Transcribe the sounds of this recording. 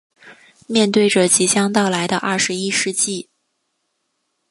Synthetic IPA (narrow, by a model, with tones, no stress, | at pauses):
mjɛ˥˧nt̪we˥˩ɪʈ͡ʂɤ˨˩t͡ɕi˧˥t͡ɕjɑ˥ŋt̪ɑ˥˩ʊla˧˥ɪd̪ə˧ʔɐ˥˩ʂɻ̩˧˥i˥ʂɻ̩˥˧t͡ɕi˥˩